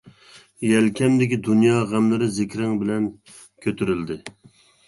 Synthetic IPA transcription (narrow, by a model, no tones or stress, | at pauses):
jælkʲʰɛmd̪ɪkʲid̪unjɑːʁæmlɪɾɪzɪkʲɾɪŋbɪlɛn | kʲʰøt̪ʰyɾɪld̪ɪ